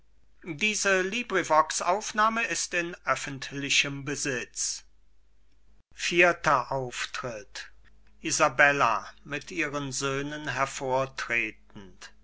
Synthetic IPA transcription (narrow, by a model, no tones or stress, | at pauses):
diːzəliːbʁivɔksʔaʊfnaːməɪstɪnʔœfən̩tlɪçəmbəzɪt͡s | fiːɐtɐʔaʊftʁ̥ɪt | ʔizabɛla̰mɪtʔiːʁənzøːnənɦɛɐfoːɐtʁ̥eːt̚n̩t